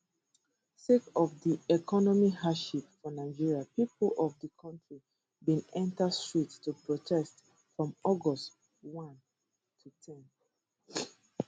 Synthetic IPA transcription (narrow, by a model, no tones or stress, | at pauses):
sekɔvdiɛkɔnɔmihaʃipfɔnaɪd͡ʒiɹiapiplɔvdəkʰɔ̃ntɹi | bĩnɛ̃ntastɹittupʰɹɔtʰɛst | fɹɔ̃mɔɡɔst | wɔ̃n | tʰutʰɛ̃n